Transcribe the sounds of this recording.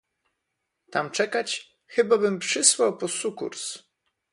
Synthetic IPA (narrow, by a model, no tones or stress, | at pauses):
t̪amt͡ʂɛkat͡ɕ | xɘbabɘmpʂɘswawpɔsukṵɾs